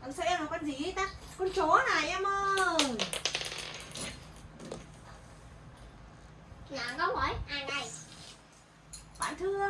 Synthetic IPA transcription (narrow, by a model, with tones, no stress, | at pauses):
ʔa˨˧˩ŋ͡msɛ̰˧˥ʔɛ˧ma˨˩kaː˧nzi˨˩i˨˦t̪a˦˥kɔ˧nt͡ɕo˨˦naː˨˩jʔɛ˧məː˧n | naː˨˩kɔ˨˧˦whə˨˦jʔaː˧˩jna˨˩j | ɓa̰ː˧˨nt̪ʰɨ˧ə